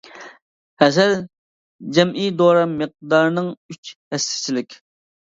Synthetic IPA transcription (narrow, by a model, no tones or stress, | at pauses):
hɛsɛl | d͡ʒɛmʔijd̪oɾɑməq̚d̪ɑɾnɨŋyt͡ʃhɛst̪ʰɪ̥t͡ʃʰilɪkʲ